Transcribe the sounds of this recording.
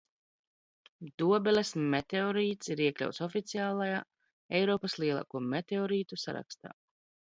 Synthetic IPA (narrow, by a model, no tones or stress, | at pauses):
d̪uɔbɛlʲesmet̪eɔɾiːt̪siɾiɛklʲa̰wt̪sɔfit̪siaːlˠajaː | ɛjɾɔːpɐslˠiɛlˠa̰ːkuɔmet̪eɔɾiːt̪usa̰ɾa̰kst̪a̰ː